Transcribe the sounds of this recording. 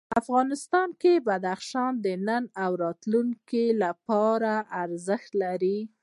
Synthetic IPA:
afɣɑnɪst̪ɑnkebad̪axʃɑnd̪ənənawɾɑt̪luŋkilapɑɾaaɾzəxt̪laɾi

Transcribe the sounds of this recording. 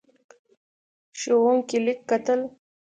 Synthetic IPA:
ʃowuŋkilikːat̪əl

